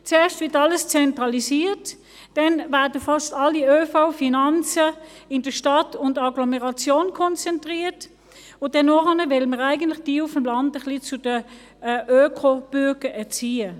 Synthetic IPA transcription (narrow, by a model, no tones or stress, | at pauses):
t͡seːɐʃtv̥ɪːɐtɑləst͡sɛntʁɑlisiːt | d̥ɛnvæɐdəfɑʃtɑliøːfaʊfinɑnt͡səɪnd̥əʃtɑtʰʊndɑɡlɔmɛʁɑt͡sjoːnkʰɔnt͡sɛntʁiːt | ʊndɛnːɔχɑnəvɪlməʁæɪɡəntlɪχd̥iːʊfəmlɑndəχlit͡sʊd̥ə | ʔøːkʰob̥yɐɡ̥əɛɐt͡siːə